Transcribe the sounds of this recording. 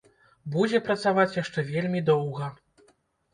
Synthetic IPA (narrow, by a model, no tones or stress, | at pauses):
bud͡zʲɛpɾɐt̪savat͡sʲjaʂt͡ʂɛvʲelʲmʲid̪ɔwɣɐ